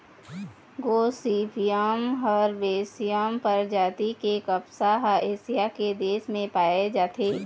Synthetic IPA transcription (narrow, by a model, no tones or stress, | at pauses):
ɡoːsiːpijamɦɔːɾbeːsijampəɾd͡ʒaːt̪ikekɐpsaɦaʔeːsijaked̪eːʃmẽpaːed͡ʒaːt̪ʰeː